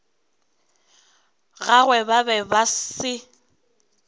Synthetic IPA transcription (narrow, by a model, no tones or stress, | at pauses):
ɣaɣwɛbabɛbasɪ